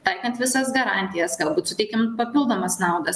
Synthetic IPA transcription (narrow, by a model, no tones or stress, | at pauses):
t̪ɐɪkɐnt̪ʋʲɪsɐsɡɐɾɑnʲt̪ʲɪjɛsɡɐlˠbuːt̪sʊt̪ʲɛɪkʲɪmpɐpʲɪlˠd̪oːmɐsnɑʊd̪ɐs